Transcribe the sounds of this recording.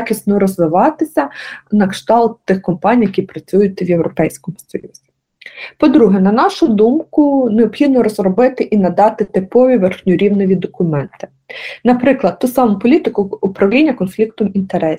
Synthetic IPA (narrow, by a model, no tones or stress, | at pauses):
xʲisʲnɔɾɔzʋɪʋɑt̪ɪsʲɐnɐkʃt̪ɑlˠt̪t̪ːɪxkɔmpɑnʲijɐkʲipɾɐt͡sʲujʊt̪ʲɛwjewɾɔpɛjsʲkɔmʊsɔ̰jṵz̥ʲi | pɔd̪ɾuɦɛnɐnɑʃʊd̪umkʊneɔbxʲid̪nɔɾɔzrɔbɪt̪ɪʔinɐd̪ɑt̪ɪt̪ɪpɔʋʲiʋerxnʲʊɾʲiwnɔʋʲid̪ɔkʊmɛnt̪ɪ̥ | nɐpɾɪklˠɐt̪̚t̪ːusɑmʊpɔlʲit̪ɪkʊːpɾɐwlʲinʲːɐkɔnflʲik̚t̪ɔmint̪eɾɛsʲ